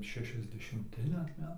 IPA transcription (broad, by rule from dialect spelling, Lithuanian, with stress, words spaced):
ʃʲɛʃʲɛzʲdʲɛʃʲɪmʲˈtʲɪ dɐr ˈmʲæːtɐɪ